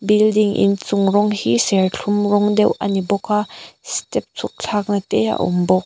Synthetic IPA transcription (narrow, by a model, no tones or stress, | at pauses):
bɪldiŋʔɪ̰nt͡sʊŋrɔŋhisɛɹɬʰumrɔŋdɛwʔɐ̰nibɔkʰastɛp̚t͡sʰuk̚ɬʰaːk̚nat̪ɛʔa̰ʔṵmbɔk̚